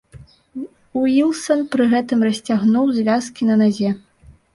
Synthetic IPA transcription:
uilˠsɐnpɾɨɣɛt̪ɨmrɐsʲt͡sʲaɣnuwzʲvʲaskʲinɐnazʲɛ

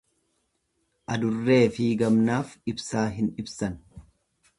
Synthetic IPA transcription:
ʔɐd̪ʊrːe̞ːfiːɡɐmnaːfɪbsaːɦɪnɪbsɐn

